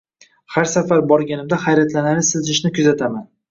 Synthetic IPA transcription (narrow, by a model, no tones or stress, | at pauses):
haɾsafaɾbɒɾɡʲanɪmd̪aχajɾat̪lanaɾɪsɪzʃɪʃnɪkʰʊzat̪ʰaman